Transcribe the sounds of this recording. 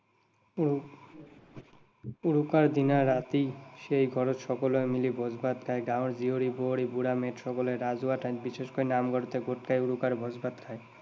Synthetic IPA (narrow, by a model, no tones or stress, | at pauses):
uɾukaɾd̪inaːat̪iʃejɡʱɔɾotʃɔkoloemilibʱɔd͡ʑbat̪̚kʰaeɡawɽd͡ʑioɾiboɽibuɽameʈʃɔkoleɾad͡ʑuaʈʰat̪biʃeʃkojnamɡʱɔɾt̪eɡʱoʈ̚kajuɽukaɾbʱɔd͡ʑbat̪kʰae